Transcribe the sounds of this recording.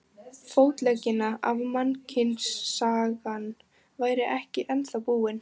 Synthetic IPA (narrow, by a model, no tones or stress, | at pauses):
foːwt̪lɛcːɪnaʔavmancʰɪnsːaːɣan | vaːjɾɪʔɛhcɪʔɛnθawpuːɪn